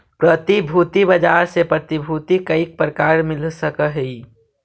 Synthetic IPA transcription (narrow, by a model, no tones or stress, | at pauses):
pɾət̪ibʱuːt̪ibəd͡ʒaːɾsepɾət̪ibʱuːt̪ikəik̚pɾəkaːɾmɪlsəkəɦi